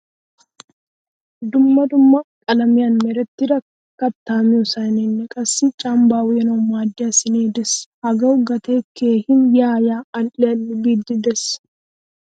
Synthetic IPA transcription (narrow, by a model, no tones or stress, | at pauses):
d̪ʊmːɐd̪ʊmːɐkʼɐlɐmɪjaːnmɛɾɛt̪ːɪɾɐk | kːɐt̪ːaːmɪɔsanenːɐkʼɐsːɪt͡ʃʼaːmbaːwjɛnɐmaːd̪ːɪɐsɪneːd̪ɛshɐɡɐɡɐt̪eːkeːhɪnjaːjaːɐlʔɛɐlːɪbiːd̪ɪd̪ɛs